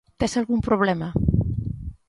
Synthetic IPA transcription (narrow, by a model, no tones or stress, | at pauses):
t̪esalɣumpɾuβ̞lɛmɐ